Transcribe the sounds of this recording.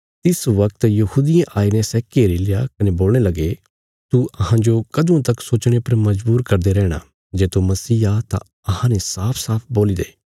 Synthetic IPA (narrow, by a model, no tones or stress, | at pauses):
t̪ɪsʋɐk̚t̪jɐhuːd̪ɪjãʔaːinɛsɛːkeːɾilejakɐneboːlnelɐɡe | t̪uɐɦãd͡ʒokɐd̪ũt̪ɐksoːt͡ʃɽ̃epɐɾmɐd͡ʒbuːɾkɐɾd̪eɾɛːɽ̃a̰ | d͡ʒeːt̪umɐsiːat̪ã̰ | ɐɦãnesaːpʰsaːpʰboːlid̪eː